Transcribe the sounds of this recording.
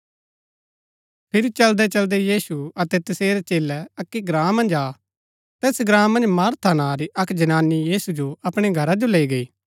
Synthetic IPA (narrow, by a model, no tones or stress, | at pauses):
pʰɪɾit͡ʃɐld̪ɛt͡ʃɐld̪ɛjiːsuɐt̪ɛt̪ɐseːɾet͡ʃeːlɛɐkːiɡɾãːmːɐ̃nd͡ʒaː | t̪ɛːsɡɾãːmːɐ̃nd͡ʒmaːɾt̪ʰanaːɾiʔɐkd͡ʒɐnaːnijiːsud͡ʒoɐpɽ̃eɡʱɐɾad͡ʒoleːiɡɐiː